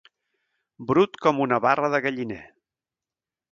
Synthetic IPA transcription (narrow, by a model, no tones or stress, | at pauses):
bɾut̪kɔmunəβarəðəɣəʎinɛ̰